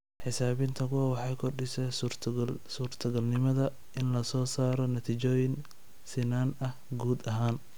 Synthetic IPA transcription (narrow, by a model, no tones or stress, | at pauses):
ħɪsaːβɪnt̪ʰɐkʊwɐwɑħɑjkʰɔrɖɪsɛ | suːrt̪ʰɐɡɐlnɪmɐðɐ | ɪnlɐsɔːsaːɾɔnɐt̪ʰit͡ʃɔːjɪn | sɪnaːnɐhɡuːd̪ɐɦaːn